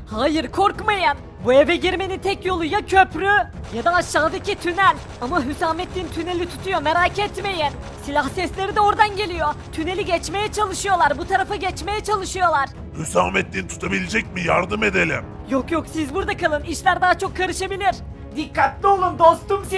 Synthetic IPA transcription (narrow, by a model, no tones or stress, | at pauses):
haːjiɾkʰo̞ɾkmajan | buevɛɟiɾme̞nint̪ʰɛcjo̞lˠujacʰøpɾyjad̪aːʃːaːd̪acit̪ʰynælʲ | amaɦysaːmɛt̪lʲint̪ʰyne̞lʲit̪ʰu̥t̪ʰujo̞meɾaːcɛt̪me̞jɛn | silʲahsɛslʲe̞ɾid̪ɛo̞ɾd̪anɟe̞lʲijot̪ʰyne̞lʲiɟɛt͡ʃme̞jɛt͡ʃʰalˠɯʃɯjo̞lˠaɾbut̪ʰaɾafaɟɛt͡ʃme̞jɛt͡ʃʰalˠɯʃɯjo̞lˠaɾ̥ | hysaːmɛt̪lʲint̪ʰu̥t̪ʰabilʲid͡ʒɛcʲmijaɾd̪ɯme̞d̪elʲḭm | jokjoksizbuɾd̪akʰalˠɯniʃlʲæɾd̪aːt͡ʃʰo̞kʰːaɾɯʃabilʲiɾ̥ | d̪ikʰːat̪lʲio̞lˠumd̪o̞st̪ums